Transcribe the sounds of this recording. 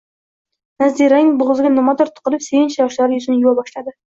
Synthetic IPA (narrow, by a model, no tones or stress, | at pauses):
nazd̪iɾanɪŋboʁɨzɪɡʲanomat̪ɒɾt̪ʰʊ̥qɨlɪpsejɪnʃjɒʃlaɾɪjʊzɪnjʊwabɒʃlad̪ɪ